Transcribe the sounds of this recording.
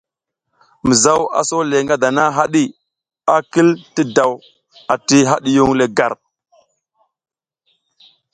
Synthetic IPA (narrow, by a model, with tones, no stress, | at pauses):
mə˨za˦wa̰˨so˦le˨ŋɡa˦da˨na˦ɦa˦ɗi˦ | a˦ki˦lti˦da˨w | a˨ti˦ɦa˦ɗi˦ju˦ŋle˨ɡa˨ɾ